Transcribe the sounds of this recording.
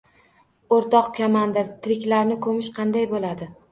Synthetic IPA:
oɾt̪ɒqkʲʰamand̪ɪɾt̪ʰɪɾɪkʲlaɾnɪkʰɵmɪʃqʰɑnd̪ajbolad̪ɪ

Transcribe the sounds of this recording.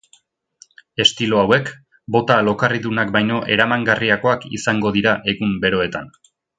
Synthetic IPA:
e̞st̪ilo̞awe̞k | bo̞t̪alo̞kariðunakbajno̞ʔe̞̰ɾamaŋɡariako̞akḭsaŋɡo̞ðiɾaʔe̞ɣumbe̞ɾo̞e̞t̪an

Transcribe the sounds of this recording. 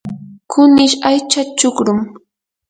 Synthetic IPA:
kʰʊnɪʃajt͡ʃat͡ʃʊkɾʊm

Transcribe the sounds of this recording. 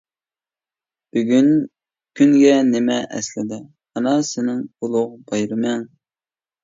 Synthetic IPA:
b̥yɡʲyn | kʲʰyŋɡʲɛnɪmɛʔɛ̰slɪd̪ɪ | mɑnɑsɪnɪŋolˠʊʁbɑjɾɨmɛŋ

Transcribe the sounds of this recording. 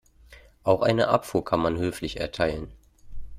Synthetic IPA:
ʔaʊxʔaɪnə̰ʔa̰pfuːɐkʰanmanhøːflɪçɛ̰ɐtʰaɪlən

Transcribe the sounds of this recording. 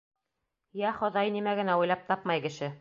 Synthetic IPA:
jæχŏðɑjnimæɡɘ̆næujlˠɑp̚t̪ɑpmɑjkɘ̆ʃɘ

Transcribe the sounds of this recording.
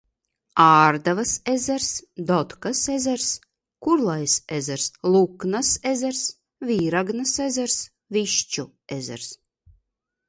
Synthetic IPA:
aːɾd̪avasezɛɾsd̪ɔt̪kasezɛɾs | kuɾlˠajsezʲɛɾslˠuknasezɛɾs | vʲiːɾaɡnasezʲɛɾs | viʃt͡ʃu | ezɛ̰ɾs

